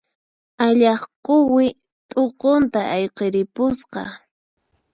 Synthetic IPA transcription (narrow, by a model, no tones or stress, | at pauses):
aʎɑχqowɪ | t̪ʼoqont̪aɑjqeɾɪpʊsqɑ̰